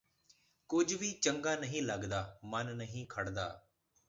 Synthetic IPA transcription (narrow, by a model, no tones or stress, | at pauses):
kʊd͡ʒʱbit͡ʃə̃ŋɡaːnɐɦĩləɡd̪aːmənnɐɦĩːkʰɐɽd̪a̰ː